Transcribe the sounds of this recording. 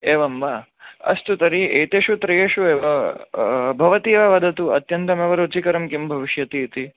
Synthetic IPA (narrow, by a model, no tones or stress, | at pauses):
eːʋɐmʋa | ɐ̰st̪ut̪ɐɾieːt̪eʃut̪ɾɐjeːʃueːʋɐ | bʱɐʋɐt̪iʋɐʋɐd̪ʱɐt̪uɐ̰t̪jɐnt̪ɐmeʋɐɾot͡ʃikɐɾɐmkimbʱɐʋiʃjɐt̪iːt̪i